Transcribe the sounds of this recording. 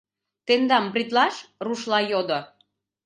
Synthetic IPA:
t̪end̪ɑmbrʲit̪lɑʃruʃlɑjod̪o

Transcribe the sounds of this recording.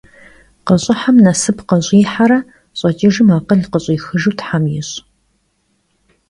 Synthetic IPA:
qɐɕʼɪħamnɐsɨpqɐɕʼiːħaɾɐ | ɕʼɐt͡ʃʼiːʒɨmaːqəɮqəɕʼiːxɨʒuwtħamjɪɕʼ

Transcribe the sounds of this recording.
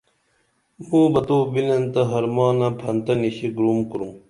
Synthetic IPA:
muːbɐt̪oːbilɐnt̪ɐɦɐɾmaːnɐpʰɐnt̪ɐniɕiɡɾuːmkuɾum

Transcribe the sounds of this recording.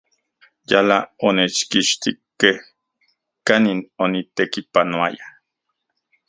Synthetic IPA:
jalaonet͡ʃkiʃt̪ikːeh | kaninonit̪ekipanoaja

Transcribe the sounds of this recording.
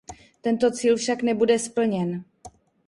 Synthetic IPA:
t̪ɛnt̪o̞t͡siːlfʃaknɛbudɛspl̩ɲɛn

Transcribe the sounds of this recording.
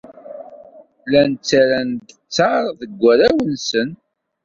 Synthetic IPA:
lænt͡sːæɾænd̪ət͡sːɑɾˤðəɡʷːæɾæwənsən

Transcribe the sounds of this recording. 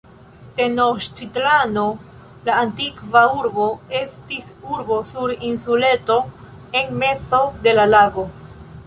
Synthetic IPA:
te̞noʃt͡ʃitlano̞ | laːntikvauɾbo̞e̞stisuɾbo̞suɾinsule̞to̞ | enme̞t͡so̞de̞lalaɡo̞

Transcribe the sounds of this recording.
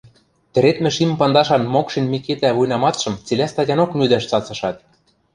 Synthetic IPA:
t̪ɘ̆ɾet̪mɘ̆ʃimpɑnd̪ɑʃɑnmokʃinʲmiket̪æβujnɑmɑt̪ʃɤ̆mt͡silʲæst̪ɑtʲɑnoknyd̪æʃt͡sɑt͡sɤ̆ʃɑt̪̚

